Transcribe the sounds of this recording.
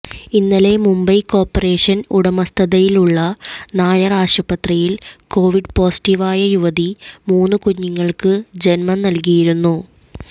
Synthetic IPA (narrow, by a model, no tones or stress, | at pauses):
inːɐle̞mumbɐjko̞ːrpːɐre̞ːʂɐnuɽɐmɐst̪ʰɐðɐjiluɭːɐnaːjɐraːʂɐpɐt̪rijilko̞ːʋiɖpo̞ːsi̥ʈiʋaːjɐjuʋɐðimuːnːɨkuɲːiŋːɐɭkɨd͡ʑenmɐnnɐlk̬ijiɾunːu